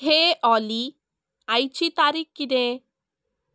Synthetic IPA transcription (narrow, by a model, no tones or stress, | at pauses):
ɦeʔɔli | ajt͡ɕʰit̪aɾikːine